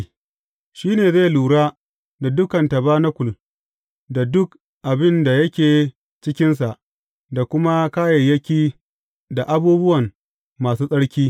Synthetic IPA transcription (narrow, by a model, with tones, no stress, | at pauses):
ʃiː˦neː˨zae˦˨luː˨ɽaː˦ | da˨dʊ˦kɐ˨ntɐ˨baː˦na˦kʷʊ˨l | da˨dʊ˦k | ʔa˨bɪ˦nda˨jɐ˦kʲeː˨ | t͡ʃɪ˦kʲɪ˦nsa˨ʔ | da˨kʷʊ˦ma˦kaː˦jɐ˨jːɐ˦kʲiː˦ | da˨ʔa˦buː˦bʊ˦wɐ˨mː | aː˨suː˦sʼɐ˦ɽkʲiː˦